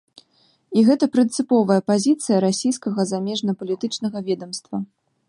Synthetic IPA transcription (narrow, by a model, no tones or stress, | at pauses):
iɣɛt̪ɐpɾɨnt̪sɨpɔvɐjɛpazʲit̪sɨjɐɾasʲijskɐɣɐzamʲɛʐnɐpɐlʲit̪ɨt͡ʂnɐɣɐvʲɛd̪ɐmst̪vɐ